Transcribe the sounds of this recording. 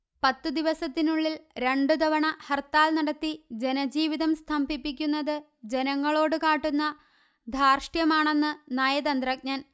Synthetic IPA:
pɐt̪ːɨd̪iʋɐsɐt̪ːinuɭːilɾe̞ɳɖɨd̪ɐʋɐɳɐhɐrt̪ːaːlnɐɽɐt̪ːid͡ʑe̞nɐd͡ʑiːʋiðɐmst̪ʰɐmbʱipːik̬ʲːunːɐðɨ | d͡ʑe̞nɐŋːɐɭo̞ːɽɨkaːʈːunːɐ | d̪ʱaːrʂʈjɐmaːɳe̞nːɨnaːjɐd̪ɐnd̪rɐk̚ɲɐːn

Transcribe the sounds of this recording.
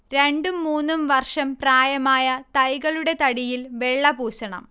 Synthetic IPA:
ɾe̞ɳɖumːuːnːumʋɐrʂɐmpraːjɐmaːjɐt̪ɐjɣɐɭuɽe̞t̪ɐɽijilʋe̞ɭːɐbuːɕɐɳɐ̰m

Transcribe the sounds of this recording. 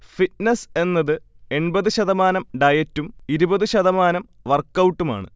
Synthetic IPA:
fit̚nese̞nːɐðɨ | e̞nbɐðɨɕɐðɐmaːnɐmɖɐjɐtːumiɾubɐðɨɕɐðɐmaːnɐm | ʋɐrkːɐwʈːuma̰ːɳɨ̰

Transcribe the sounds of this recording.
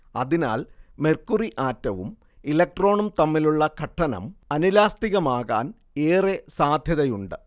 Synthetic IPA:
ɐ̰ðina̰ːlme̞rkuriʔaːtːɐʋṵm | ilɐk̚ʈro̞ːɳumt̪ɐmːiluɭːɐkʰɐʈʰːɐnɐ̰mɐnilaːst̪iɣɐmaːɣa̰ːn | eːresaːd̪ʱjɐðɐjuɳɖɨ

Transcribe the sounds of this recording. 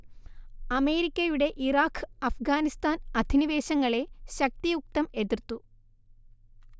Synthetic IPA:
ɐme̞ːɾikʲːɐjuɽe̞ʔiraːkʰːɐfɡaːnist̪aːnɐd̪ʱiniʋe̞ːɕɐŋːɐɭe̞ɕɐk̚t̪ijuk̚t̪ɐme̞ðirt̪ːu

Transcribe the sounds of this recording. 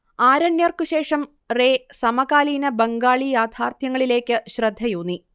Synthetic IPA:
aːɾɐnjɐrkɨɕe̞ːʂɐm | reːsɐmɐkaːliːnɐbɐŋɡaːɭijaːd̪ʰʱaːrt̪ʰjɐŋːɐɭile̞ːkʲːɨɕrɐd̪ʱːɐjuːnːi

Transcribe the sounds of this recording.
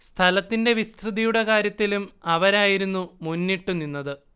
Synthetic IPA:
st̪ʰɐlɐt̪ːinde̞ʋist̪rɨðijuɽe̞kaːɾjɐt̪ːilumɐʋɐɾaːjiɾunːumunːiʈːuninːɐðɨ

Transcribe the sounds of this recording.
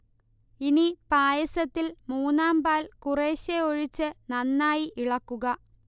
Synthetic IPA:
inipaːjɐsɐt̪ːilmuːnːaːmbaːlkureːɕeoɻit͡ɕːɨnɐnːaːjiʔiɭɐkːuɣɐ

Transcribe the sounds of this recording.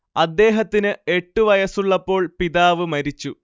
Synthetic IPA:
ɐd̪ːe̞ːɦɐt̪ːinɨe̞ʈːɨʋɐjɐsuɭːɐpːo̞ːɭpiðaːʋɨmɐɾit͡ɕːu

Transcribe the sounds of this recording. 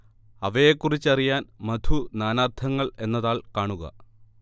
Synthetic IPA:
ɐʋɐjekːurit͡ɕːɐrijaːnmɐd̪ʱunaːnaːrt̪ʰɐŋːɐɭe̞nːɐðaːɭkaːɳuɣɐ̰

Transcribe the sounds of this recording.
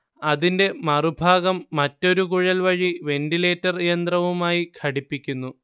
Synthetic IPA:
ɐðinde̞mɐrubʱaːɣɐmːɐtːo̞ɾuk̬uɻɐlʋɐɻiʋe̞ndile̞ːtːɐrijɐnd̪rɐʋumaːjikʰɐɽipːikʲːunːu

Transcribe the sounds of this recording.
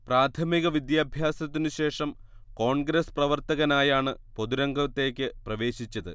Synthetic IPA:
praːt̪ʰɐmiɣɐʋid̪jaːbʱjaːsɐt̪ːinɨɕe̞ːʂɐm | ko̞ːɳɡɾesprɐʋɐrt̪ɐɣɐnaːjaːɳɨpo̞ðuɾɐŋɡɐt̪ːe̞ːkʲːɨprɐʋe̞ːɕit͡ɕːɐðɨ

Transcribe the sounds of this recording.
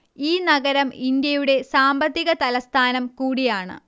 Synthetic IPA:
iːnɐɡɐɾɐmind̪jɐjuɽe̞saːmbɐt̪ːiɣɐt̪ɐlɐst̪ʰaːnɐmkuːɽijaːɳɨ̰

